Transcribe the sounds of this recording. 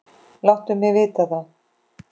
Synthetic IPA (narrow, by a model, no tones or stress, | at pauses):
lawht̪ʏmjɛvɪːt̪aθa